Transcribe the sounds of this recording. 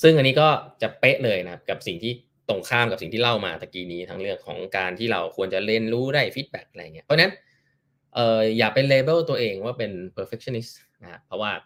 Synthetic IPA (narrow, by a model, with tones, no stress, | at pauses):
sɯ˥˩ŋʔa˧nːiː˦˥kɔː˥˩t͡ɕa˨˩pe˦˥ʔlɤː˧jna˦˥kʰa˦˥p̚ka˨˩p̚si˨˩ŋt̪ʰiː˥˩ | t̪o˨˩ŋkʰaː˥˩mka˨˩psi˨˩ŋt̪ʰiː˥˩la˥˩wmaː˧t̪ʰa˧˩kiː˧niː˦˥t̪ʰa̰˦˥ŋɾɯ˥˩əkʰːɔ̰ː˩˦ŋkaː˧nt̪ʰiː˥˩ɾa˧wkʰu˧ənt͡ɕa˨˩le˥˩nɾuː˦˥daː˥˩jfiː˦˥t̪̚bɛ˨˩k̚ʔa˧ɾa̰˧jŋi˦˥pʰɔ˦˥t͡ɕa˧na˦˥n | ʔɤː˨˧˩jaː˨˩k̚pe˧nleː˧bɤː˥˩t̪u˧ɐʔeː˧ŋwaː˥˩pe˧npʰɤː˧fe˦˥k̚t͡ɕʰni˦˥s | na˦˥kʰa˦˥pʰːɾɔ˦˥waː˥˩